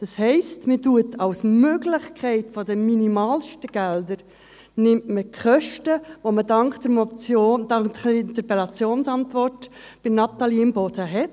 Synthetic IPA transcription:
d̥ɑshɛɪstmɪtuətʰɑwsmøɡlɪχkʰχɛɪtfɔdəminimɑːlʃtəɡ̥ɛld̪əɾ | nɪmtməkχœʃtəʋomədɑŋkd̥̪əmɔt͡soːdɑŋəɾɪnt̪əɾpɛlɑt͡sjoːnsɑntʋɔrt | b̥ɪmnɑt̪ɑliɪmboːd̥̪əɦɛ

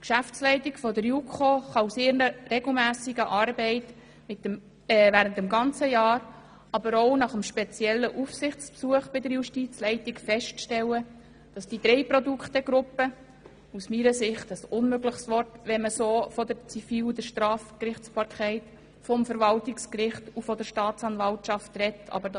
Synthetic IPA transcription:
kʃæft͡slɛɪtikfɔdəɾjukʰoːχɑusɪɾnəɾɛɡl̩mæːsiɡəʔɑɾbɛɪt | mɪtə | væːɾəntəmɡɑnt͡səjɑːɾ | ɑbəɾoʊnɑχəmʃpɛt͡sjɛlːəʔufsɪχt͡spsuəχb̥ɪdəɾjuʃtit͡slɛɪtikfɛʃtʃtɛlːə | d̥ɑsd̥id̥ɾɛɪpɾɔduktəɡ̥ɾʊpːə | usmiːɾəsɪχtəsʊnmøɡləχsʋɔrtʋɛnməsoːfɔdəɾt͡sifiːld̪əɾʃtɾɑːfkɾɪχt͡spʰɑɾkʰɛɪt | fɔmfəɾvɑltɪkskɾɪχtufɔdəɾʃtɑːt͡sɑnvɑltʃɑftrɛtːɑ̰bəd

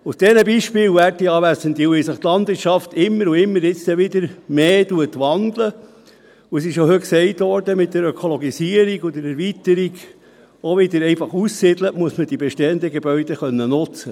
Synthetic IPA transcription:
usd̥ɛnəbiʃpɪːlʋætiɑːʋæsənt̪iwʋɪsəχt̪lɑndvɪtʃɑftɪmːəɾuɪmːəɾɪt͡st̪ɛʋɪd̪əɾmeːtuətʋɑnd̥̪lə | uɛsɪʃjohøksɛɪtʋɔɾdəmɪt̚dəɾøkʰɔlɔɡisiəɾiɡɔd̪əɾɛɾʋitəɾiɡ | oʋɪd̪əɾɛɪfɑχussɪd̥ləʔmuəsməd̥ibɛʃteːənd̪əɡebœɥd̥̪əχœnːənʊt͡sə

